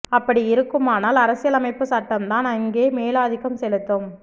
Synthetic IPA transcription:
ɐpːɐɽiɪɾɯkːɯmaːnaːlɐɾɐsɪjɐlɐmɐɪpːɯsɐʈːɐmt̪aːnɐŋɡeːmeːlaːðɪɣɐmsɛlɯt̪ːɯm

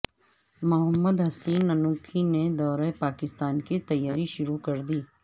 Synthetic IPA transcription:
mʊɦəmːəd̪ɦɐsiːnːɐnuːkʰined̪ɔːɾapaːkɪst̪aːnkit̪ɐjːaːɾiʃʊɾukɐɾd̪iː

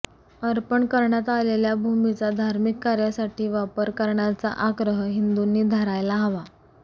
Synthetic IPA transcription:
əɾpəɳkəɾɳjat̪aleljabʱumit͡sad̪ʱaɾmikːaɾjasaʈʰiːʋapəɾkəɾɳjat͡sa̰ʔaɡɾəɦəɦind̪unːiːd̪ʱəɾajlaɦəʋa

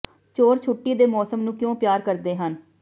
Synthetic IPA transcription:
t͡ʃoːɾt͡ʃʰʊʈːiːd̪eːmɔːsəmnũːkjõːpjaːɾkəɾd̪eːɦən

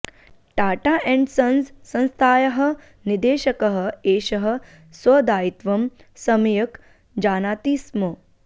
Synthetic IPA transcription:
ʈaːʈaʔɛ̃ɳɖsɐnzsɐ̃nst̪ʰaːjɐɦɐ̆ | nid̪eːʃɐkɐɦɐ̆eːʃɐɦɐ̆ | swɐd̪aːit̪ʋɐm | sɐmijɐk | d͡ʒaːnaːt̪iːsmo

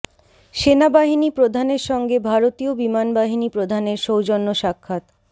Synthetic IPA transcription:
ʃenabaɦinipɾod̪ʱaneɾʃɔŋɡebʱaɾot̪iobimanbaɦinipɾod̪ʱaneɾʃowd͡ʑonːoʃakʰːat̪

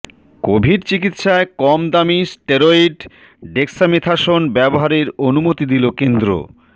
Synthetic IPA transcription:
kobʱiɾt͡ɕikit̪ʃaekɔmd̪amisʈeɾoiɖ | ɖeksamit̪ʰaʃonbɛboɦaɾeɾonumot̪id̪ilokend̪ɾo̰

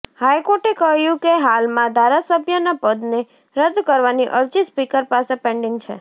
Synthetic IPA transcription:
hajkoʈekəɦjũkeɦalmãd̪ʱaɾasəbʱjənapəd̪ne | ɾəd̪kəɾʋaniʔəɾd͡ʒispikəɾpasepɛ̃ɳɖɪŋɡt͡ʃʰḛ

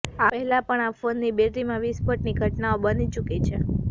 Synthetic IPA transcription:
aəɦɛlãpəɳafonːibeʈɾimãʋispəʈniɡʱəʈnaobənit͡ʃukit͡ʃʰe

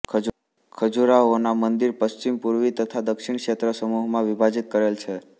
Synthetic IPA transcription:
kʰ | kʰəd͡ʒuɾaonamənd̪iɾpəst͡ʃimpuɾʋit̪ət̪ʰad̪əkʃiɳ̃kʃet̪ɾəsəmuɦmãʋibʱad͡ʒit̪̚kəɾelt͡ʃʰe

